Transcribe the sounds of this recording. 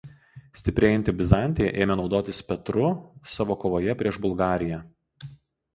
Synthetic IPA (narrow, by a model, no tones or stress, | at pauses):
sʲt̪ʲɪpʲɾʲeːjɪnʲt̪ʲɪbʲɪzɑˑnʲt̪ʲejɛ̰ʔeːmʲɛnɒʊd̪oːt̪ʲɪspʲɛt̪ɾʊsɑːʋoːkoːʋoːjɛpʲɾʲiɛʒbʊlˠɡɑːɾʲɪjæ